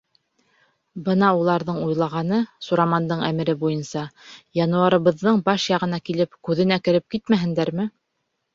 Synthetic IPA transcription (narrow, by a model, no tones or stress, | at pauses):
bɤnɑulˠɑɾðɤɴujlˠɑʁɑnɤsuɾamɑnd̪ɤɴæmɘ̆ɾɘbujɤnsɑjɑnuɑɾɤ̆βɤ̆ðːɤɴbɑʃjɑʁɤ̆n̪ɑkilɘpkʉðɘ̆nækɘ̆ɾɘp̚kit̪mæɦɘ̆nd̪æɾmɘ